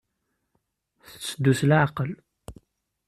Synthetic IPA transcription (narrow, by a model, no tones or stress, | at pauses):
θə̥t͡sːəd̪ːuslʕaqəl